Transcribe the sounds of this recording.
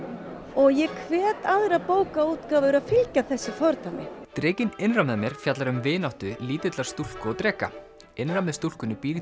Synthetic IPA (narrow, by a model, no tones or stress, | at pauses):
ɔɣjɛkʰvɛːt̪aðɾapoːwkauːt̪kaːvʏʏɾaðfɪlcaθɛsːɪfɔɾt̪amɪ̰t̪ɾɪːcɪnɪnrawmðamjɛɾ̥fjat̪laɾʏmvɪːnawht̪ʏliːt̪ʏt̪laɾ̥st̪ul̥kɔt̪ɾɛːka̰ | ɪnrawmɛðst̪ul̥kʏnːʏpiːɾɪ